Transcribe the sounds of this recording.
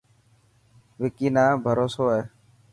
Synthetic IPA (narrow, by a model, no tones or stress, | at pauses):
ʋɪkiːnaːbʱəɾoːsoːɦɛː